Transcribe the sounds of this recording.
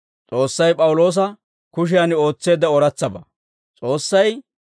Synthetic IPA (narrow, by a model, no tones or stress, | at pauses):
t͡sʼo̞ːsːɐjpʼɐwʊlo̞ːs̬ɐ | kʊʃ̬ɪjanɪo̞ːt͡sːe̞ːd̪ɐɔɾɐt͡sːɐbɐ | t͡sʼo̞ːsːɐj